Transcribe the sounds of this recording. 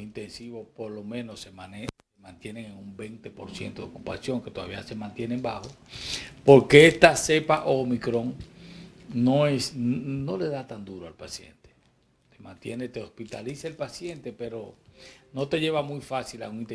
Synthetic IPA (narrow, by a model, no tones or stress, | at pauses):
int̪ensiβopo̞ɾlo̞mẽ̞no̞semanesemãnt̪je̞neŋeŋumbejnt̪e̞po̞ɾsje̞̰nt̪oðeo̞kupa̰sjo̞ŋke̞t̪o̞ða̰βiase̞mãnt̪je̞nembaxo̞ | po̞ɾke̞est̪ase̞paʔoːmikɾo̞ŋ | noesno̞le̞ðat̪and̪uɾoalpasje̞̰nt̪e̥ | t̪emãnt̪jenet̪eospit̪aliseelpasje̞nt̪e̞pe̞ɾono̞t̪e̞ʝe̞βamujfasila̰uŋint̪e